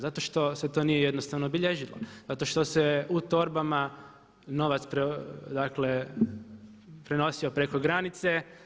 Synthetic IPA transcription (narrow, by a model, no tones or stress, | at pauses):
zat̪o̞ʃt̪o̞set̪o̞ːnijejed̪nost̪aʋnoobiʎeʒilo̰zat̪o̞ʃt̪o̞seut̪o̞ɾbama | no̞ʋat̪spɾed̪akle̞ | pɾe̞no̞sio̞pɾe̞ko̞ɡɾanit̪se̞